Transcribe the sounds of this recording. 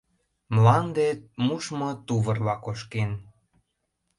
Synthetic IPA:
mlɑnd̪et̪̚muʃmot̪uβərlɑkoʃken

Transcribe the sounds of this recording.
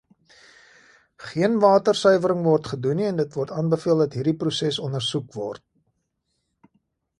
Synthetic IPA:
χiənvɑːtərsœɥvəɾəŋvɔrtχəduniɛndətvɔrtɑːnbəfiəlˠdɐtɦiːrdiprusɛsɔnərsukvɔ̰rt̚

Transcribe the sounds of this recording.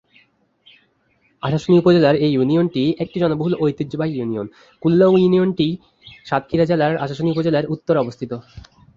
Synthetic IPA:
aʃaʃonikupod͡ʑelaɾejjunionʈiek̚ʈid͡ʑɔnoboɦulojt̪id͡ʑobaɦijunion | kulːojunionʈi | ʃat̪̚kʰiɾad͡ʑelaɾaʃaʃoniupod͡ʑelaeɾut̪ːoɾɔbost̪ʰit̪o

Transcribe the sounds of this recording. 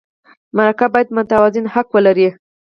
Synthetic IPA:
maɾakabɑjad̪mʊt̪awazɪnhakwəlaɾi

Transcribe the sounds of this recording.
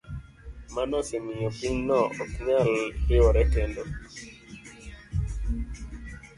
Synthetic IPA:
manɔsɛmɪopiɲnɔʔɔkɲalɾɪwɔɾɛkendo

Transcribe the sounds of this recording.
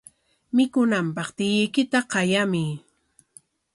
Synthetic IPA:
mɪkʊnampɑχt̪ɪjɪjkɪt̪aqɑjamɪ

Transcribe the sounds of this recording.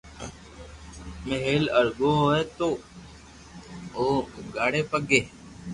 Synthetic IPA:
meɦeːləɾɡoːɦoːeːt̪oː | oːɡaːɽeːpəɡeː

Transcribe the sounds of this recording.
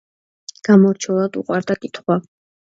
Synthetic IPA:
ɡ̥amɔɾt͡ʃʰɛlˠad̪ṵqʼwaɾd̪akʼit̪ʰχwa

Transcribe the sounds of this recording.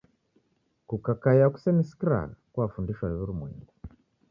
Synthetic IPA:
kukakajaku̥sɛniskiɾa̰kwafundiʃwaiβuɾumwɛ̰ŋɡu

